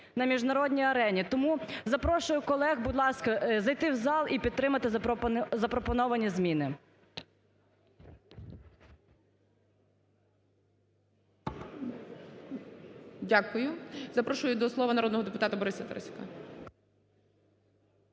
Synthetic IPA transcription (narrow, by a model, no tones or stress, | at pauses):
nɐmʲiʒnɐɾɔdʲnʲijɐɾɛnʲit̪ɔmuzɐpɾɔʃʊjʊkɔlˠɛɣbʊd̪lˠɑskɐzɐjt̪ɪwzɑlˠʔipʲid̪̚t̪ɾɪmɐt̪ɪzɐpɾɔpɔnɔʋɐnʲizmʲinɪ | dʲakʊjʊzɐpɾɔʃʊjʊd̪ɔslˠɔʋɐnɐɾɔd̪nɔɦɔd̪epʊt̪ɑt̪ʊbɔɾɪsɐt̪ɛ̰ɾɛ̰sʲʊ̥kɐ